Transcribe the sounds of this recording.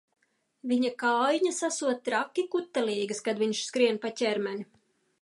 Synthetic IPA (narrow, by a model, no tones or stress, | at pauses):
viɲakaːjɲasasuɔt̪ːɾakʲːikut̪ːɛliːɡɨskad̪vʲiɲʃskɾiɛnpatʲɛɾmɛnʲi